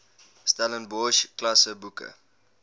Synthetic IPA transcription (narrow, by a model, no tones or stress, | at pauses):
stalənbɔʃklasəbukə̰